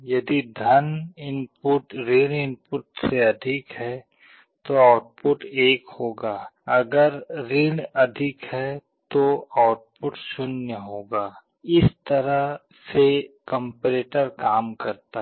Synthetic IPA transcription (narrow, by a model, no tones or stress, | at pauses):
jɐd̪id̪ʱɐnɪnpʊʈɾɪ̃ɽɪ̃npʊʈseɐd̪ʱɪkɦɛ | t̪oaːʊʈ̚pʊʈeːkhoːɡaːɐɡəɾɾɪɽɐd̪ʱɪkɦɛ | t̪oaʊʈ̚pʊʈʃʊnjəɦoːɡaː | ɪst̪ɐɾa | sekə̃mpɾeːʈəɾkaːmkɐɾt̪a